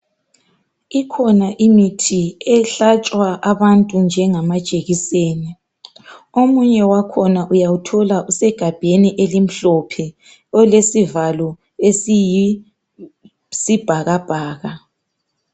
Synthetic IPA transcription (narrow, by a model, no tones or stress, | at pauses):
ikʰɔnaʔimitʰiɛɬat͡ʃʼwaʔaβantʼund͡ʒʱɛŋamḁt͡ʃʼeɣiseːni | omuɲɛwakʰɔnaʔujawutʰɔlaʔusɛɡ̥ʱab̥ʱeniʔelim̩ɬɔpʰɛ | ɔlesivalɔ | es | sib̥ʱaɣab̥ʱaːɣa